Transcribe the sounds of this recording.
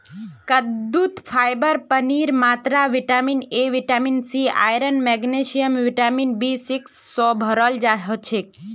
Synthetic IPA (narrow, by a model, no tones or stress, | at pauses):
kəd̪ut̪fʰajbəɾpəniɾmat̪ɾaʋiʈamineʋiʈaminsia̰jɾənmɛɡneʃijəmʋiʈaminbisiksːɔbʱəɾəld͡ʒaɦot͡ʃʰe